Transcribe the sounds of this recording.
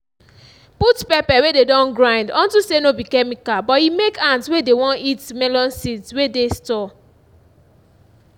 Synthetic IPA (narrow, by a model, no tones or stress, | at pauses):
putpɛpɛwededɔ̃nɡɹãɪ̃ndɔ̃ntusenobikɛmikalbɔtimekãntswedewɔ̃nitmɛlɔ̃nsidswedestɔ